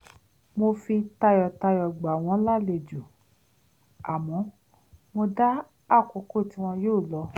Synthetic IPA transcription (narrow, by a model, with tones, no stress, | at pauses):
mo˧fi˧ta˧jɔ˨ta˧jɔ˨ɡ͡ba˨w̃ɔ̃˨˦la˦˨le˧˨d͡ʒu˨ | a˨mɔ̃˨˦ | mo˧da˦ | a˦˨ko˨˦ko˦˨ti˨˦w̃ɔ̃˧joː˦˨lɔ˧